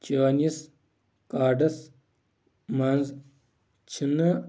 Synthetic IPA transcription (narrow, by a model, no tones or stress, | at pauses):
t͡ɕaːnis | kaːɖɐs | mɐnz | t͡ʃʰinɐ